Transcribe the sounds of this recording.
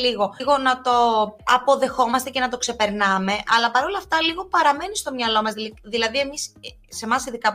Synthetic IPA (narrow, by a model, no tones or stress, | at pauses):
liɣo̞ɣo̞nɐt̪o̞ɐpo̞ðe̞xo̞mɐst̪e̞ce̞nɐt̪o̞kse̞pe̞ɾnɐme̞ʔɐlɐpɐɾolɐːft̪ɐliɣo̞pɐɾɐme̞nist̪o̞mɲɐlo̞mɐzðilɐðie̞mis | se̞mɐsiðikɐ